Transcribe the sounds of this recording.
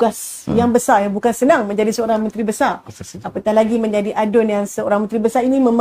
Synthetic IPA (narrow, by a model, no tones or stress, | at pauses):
ɡasjaŋbəsarjaŋbukansənaŋmə̃ɲd͡ʒadisəoɾaŋmə̃nt̪ɾibəsarapat̪alaɡimə̃ɲd͡ʒadiʔadʊnjaŋsəoɾaŋmənt̪ɾibəsaɾinĩmə̃m